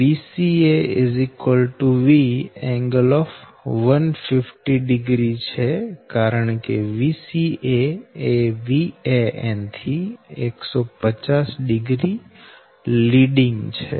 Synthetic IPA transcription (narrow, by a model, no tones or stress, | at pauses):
ʋisieɪzikʋəlʈuʋiɛ̃ŋɡəlɔfʋənfɪfʈiɖɪɡɾit͡ʃʰekaɾəɳkeʋisieeʋieḛnt̪ʰieksɔpət͡ʃasɖɪɡɾi | liɖĩŋɡt͡ʃʰḛ